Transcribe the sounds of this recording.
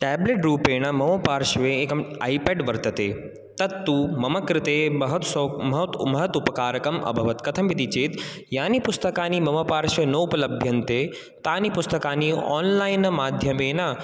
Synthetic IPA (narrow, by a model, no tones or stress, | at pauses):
ʈɛːbleʈɾuːpeːnɐmɐmɐpaːɾʃʋeeːkɐma̰ːipeːɖʋɐɾt̪ɐt̪eː | t̪ɐd̪ːumɐmɐkɾɪt̪eːbɐɦɐt̪sɐmɐɦt̪mɐɦɐt̪upɐkaːɾɐkɐmɐ̰bʱɐʋɐt̪kɐt̪ʰɐmʋit̪it͡ʃeːt̪ | jaːnipʊst̪ɐkaːnimɐmɐpaːɾʃʋenɐupɐlɐbʱjɐnt̪eː | t̪aːnipʊst̪ɐkaːniɔ̰ːnlaːinmaːd̪ʱjɐmeːnɐ